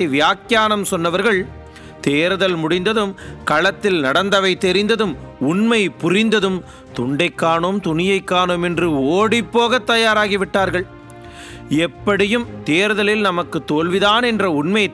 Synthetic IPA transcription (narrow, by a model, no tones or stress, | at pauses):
ʋɪjaːkjaːnɐmsɔnːɐʋɐɾɣɐɭ | t̪eːɾɯðɐlmʊɽɪnd̪ɐðɯmkɐɭɐt̪ːɪlnɐɽɐnd̪ɐʋɐɪt̪ːɛɾɪnd̪ɐðɯmʊɳmɐɪpʊrɪnd̪ɐðɯm | t̪ʊɳɖɐɪkːaːɳoːmt̪ʊnɪjɐɪkːaːɳoːmɛndrɯoːɽɪpːoːɣɐt̪ːɐjaːɾaːɣiʋɪʈːaːɾɣɐɭ | ɛpːɐɽɪjɯmt̪eːɾɯðɐlɪlnɐmɐkːɯt̪ːoːlʋɪðaːnɛndrɐʊɳmɐɪ